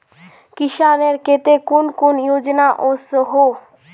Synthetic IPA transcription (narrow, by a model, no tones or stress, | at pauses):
kiʃaneɾket̪ekunkunjod͡ʑnaʔosoɦo